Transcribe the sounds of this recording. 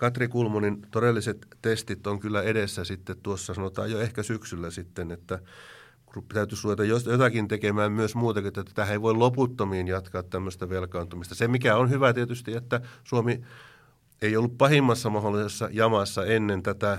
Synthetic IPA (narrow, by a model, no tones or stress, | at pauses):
kɑt̪rikulmonint̪oɾelːiset̪t̪est̪it̪oŋkylːæeɾesːæsit̪ːet̪t̪uosːɑsɑnot̪ɑ̰ːjjoehkæsyksylːæsit̪ːenet̪ːæ | krupːi̥t̪æyt̪ysluʋet̪ɑjjojot̪ɑkint̪ekemæːmmyøsmuːt̪ɑkiet̪ːæt̪æ̥t̪æeiʋoiloput̪ːomiːnjɑt̪kɑːt̪t̪æmːøst̪æʋelkɑːnt̪umist̪ɑsemikæonhyʋæt̪iet̪yst̪iet̪ːæsuomi | eijolːuppɑhimːɑsːɑmɑholːˑisesːɑ̰jɑmɑsːɑenːent̪æt̪æ